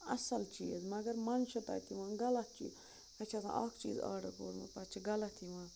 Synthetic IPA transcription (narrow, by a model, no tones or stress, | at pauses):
ɐsɐlt͡ʃiːzmɐɡɐɾmɐnʃɐt̪a̰ːt̪ʰiʋãːɡɐlɐt̪̚t͡ʃḭː | ɐt͡ʃʰasã̰ʔaːkt͡ʃḭːza̰ːɖɐkoːɾmɐ̰pɐt͡ʃʰiɡɐlɐt̪ʰiʋãː